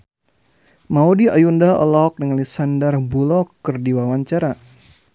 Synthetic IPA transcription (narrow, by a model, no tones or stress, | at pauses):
maudiajundaɔ̰lɔɔk̚dəŋalisandarbulɔkːərdiwawaɲt͡ʃaɾa